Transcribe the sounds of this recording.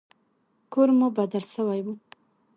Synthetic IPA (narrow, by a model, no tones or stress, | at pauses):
koɾmubad̪alsəwajwu